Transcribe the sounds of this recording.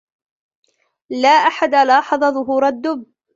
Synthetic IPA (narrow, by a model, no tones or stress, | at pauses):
laːʔaħad̪alɑːħɑðˤɑðˤʊɦuːɾad̪ːʊb